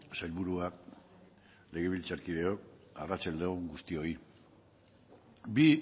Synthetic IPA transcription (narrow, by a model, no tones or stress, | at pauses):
sajlβuɾuak̚ | le̞ɣe̞β̞ilt͡saɾkiðe̞o̞k̚arat͡sald̪eoɡust̪io̞i | bi